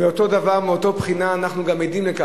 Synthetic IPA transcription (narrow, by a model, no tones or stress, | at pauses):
veot̪o̞d̪avaʁmeot̪o̞pχinaːnaχnuɡamed̪imleka